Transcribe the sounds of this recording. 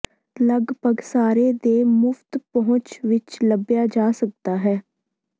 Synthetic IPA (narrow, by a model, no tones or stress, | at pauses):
ləɡpəɡsaːɾeːd̪eːmʊft̪pəɦʊ̃t͡ʃʋɪt͡ʃləbjaːd͡ʒaːsək̚d̪aːɦɛː